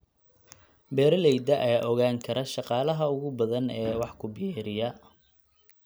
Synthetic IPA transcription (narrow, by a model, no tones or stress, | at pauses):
bɛːɾɐlɛjd̪ɐʔɐjaːʔɔɣaːŋkʰɐɾʔɐʃɑqɑːlɐɦɐʊɣʊbɐðɐnɛːwɑħkʰʊbɪjɛːɾɪjɐ